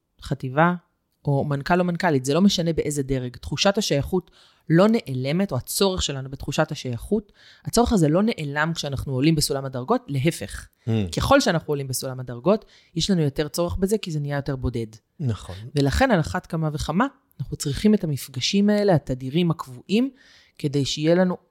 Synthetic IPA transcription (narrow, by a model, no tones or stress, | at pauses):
χativa | o̞mankalo̞mankalitzelo̞meʃane̞beʔe̞zede̞ʁeɡtχuʃathaʃajaχut | lo̞ne̞ʔele̞me̞toat͡so̞ʁeχʃelanubetχuʃathaʃajaχut | at͡so̞ʁeχazelo̞ne̞ʔelamkʃeanaχnuolimbesulamadaʁɡo̞tle̞ɦe̞fe̞χke̞χo̞lʃeanaχnuolimbesulamadaʁɡo̞t | jeʃlanujo̞te̞ʁt͡so̞ʁeχbe̞zekizenijajo̞te̞ʁbo̞de̞d | naχove̞laχe̞nalaχatkamave̞χamaːnaχnut͡sʁiχimetamifɡaʃimae̞le̞atadiʁimhakvuʔim | ke̞de̞jʃeijelanu